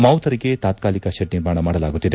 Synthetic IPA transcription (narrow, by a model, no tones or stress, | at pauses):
mɐwt̪ʰɐɾiɡe̞t̪aːt̪kaːlikɐʃɐʈ̚niɾmaːɳɐmaːɽɐlaːɡut̪ːid̪e